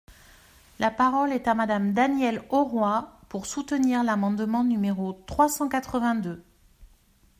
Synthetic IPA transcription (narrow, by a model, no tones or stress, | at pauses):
lapaʁɔlɛt̪amad̪amd̪anjɛlɔʁwapuʁsut̪əniʁlamɑ̃d̪mɑ̃nymeʁot̪χwasɑ̃kat̪χəvɛ̃d̪ø